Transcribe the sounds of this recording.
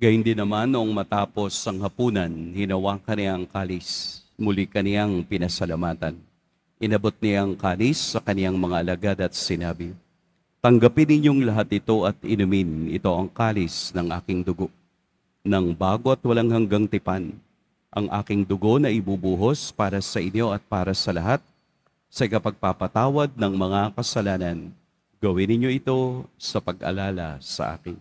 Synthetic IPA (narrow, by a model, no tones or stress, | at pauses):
ɡ̥ɐhɪnd̪ɪnɐmanːoʔoŋmɐt̪aːpo̞sɐŋhɐpuːnɐnhɪnɐwakɐnɪaɐŋkaːlɪsmʊlikɐnɪaŋpɪnɐsɐlɐmaːt̪ɐn | ʔɪnɐbo̞t̪̚nɪaŋkaːlisːɐkɐnɪjaŋmɐŋaʔɐlɐɡad̪ɐt̪̚sɪnaːbɪ | t̪ɐŋɡɐpɪnːɪɲjo̞ŋlɐɦat̪̚nɪt̪o̞ʔɐt̪ɪnʊmɪnɪ̰t̪o̞ʔɐŋkaːlɪsnɐŋʔa̰ːkɪŋd̪ʊɡo̞ʔ | nɐŋbaːɡo̞ɐt̪̚wɐlaŋhɐŋɡaŋt̪ɪpan | ʔɐŋʔa̰ːkɪŋd̪ʊɡo̞nɐʔɪbubuːɦospaːɾɐsɐʔɪɲjo̞ʔɐt̪̚paːɾɐsɐlɐɦat̪̚ | sɐʔɪkɐpɐɡ̚papɐt̪aːwɐd̪̚nɐŋmɐŋakɐsɐlaːnɐn | ɡɐwɪnɪɲjo̞ʔɪt̪o̞sɐpɐɡʔɐ̰laːlɐ̰sɐ̰ʔa̰ːkɪn